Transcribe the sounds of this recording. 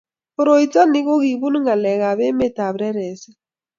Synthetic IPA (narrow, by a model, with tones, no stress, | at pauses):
o˨ɾo˨i˨t͡sa˦ni˦ɣo˦ɣi˨βu˦n˦ŋa˨lɛ˨ɣa˨βɛ˦me˦ta˨βɾɛ˦ɾɛ˨sɛ˦